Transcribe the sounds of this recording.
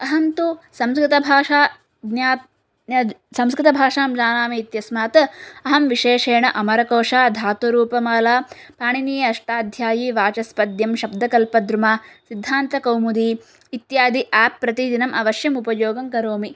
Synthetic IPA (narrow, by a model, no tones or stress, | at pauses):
ɐɦɐnt̪usɐmskɾit̪ɐbʱaːʂaː | d̪njaː | sɐmskɾɪt̪ɐbʱaːʂaːmd͡ʒaːnaːmiːt̪jɐsmaːt̪ɐɦɐmʋiʃeːʂeːɳɐʔɐmɐɾɐkoːʂaːd̪ʱaːt̪ɐɾuːpɐmaːlaː | paːɳinijɐɐʂʈaːd̪ʱjaːjiʋaːt͡ʃɐspɐd̪jɐmʃɐbd̪ʱɐkɐlpɐd̪ɾumaːsid̪ʱːaːnt̪ɐkɐwmud̪iː | t̪jaːd̪iʔaːpːɾɐt̪id̪inɐmʔɐʋɐʃjɐmupɐjoːɡɐŋkɐɾoːmi